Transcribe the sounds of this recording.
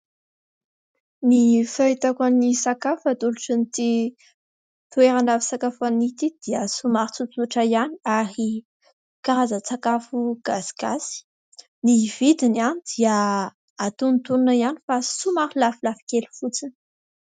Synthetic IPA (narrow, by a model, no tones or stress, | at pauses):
nifait̪akanisakafat̪uluʈ͡ʂinit̪i | t̪ueɾanavisakafanit̪id̪̥iəsumaɾit͡supuʈ͡ʂaianiaɾi | kaɾazət͡sakafuɡ̥asi̥ɡasi̥ | niv̥id̪inianid̪ia | at̪unt̪ununaiani̥fasumaɾilafilafi̥kelu̥fut͡sin